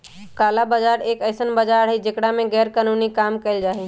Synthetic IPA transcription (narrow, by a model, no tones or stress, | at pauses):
kaːlabəd͡ʒaːɾeːkəɪsənbəd͡ʒaɽ̤id͡ʒekɽamẽɡɛːɾkaːnunikaːmkəɪld͡ʒaːɦi